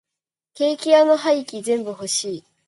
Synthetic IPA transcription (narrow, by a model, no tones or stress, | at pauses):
ke̞ːkʲiano̞ɦaikʲizẽ̞mbɯ̟ho̞ɕiː